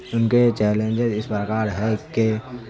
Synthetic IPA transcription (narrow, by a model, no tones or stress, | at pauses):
ʊnket͡ʃɛːlẽːnd͡ʒəzɪspɾəkaːɾɦɛke